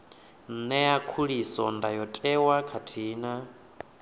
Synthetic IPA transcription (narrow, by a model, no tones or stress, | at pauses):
n̩nɛakʰuɺisɔndajɔtʼɛwakʰatʰiːna